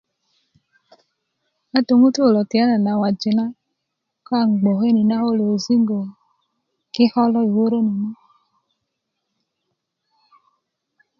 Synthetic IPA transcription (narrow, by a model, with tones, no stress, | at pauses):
a˦to˨ŋu˦tu˦˨lɔ˨ti˨a˦na˨na˨wa˨d͡ʒi˨ŋa˦ | kɔ˦a˨ŋ˨ɡ͡bo˨ɦe˦ni˨na˦o˦lo˨zi˦ŋɡo˨ | kɪ˦hɔ˦lɔ˦i˨wo˦ɾo˦no˨nɔ˦